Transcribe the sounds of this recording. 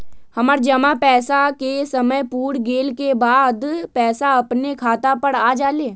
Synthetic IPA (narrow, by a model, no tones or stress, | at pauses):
hɐmaːɾd͡ʒɐmapɛːsakesəməjpuːɽɡeːlkebaːd̪pɛːsaɐpnekʰaːt̪apəɽaːd͡ʒaːleː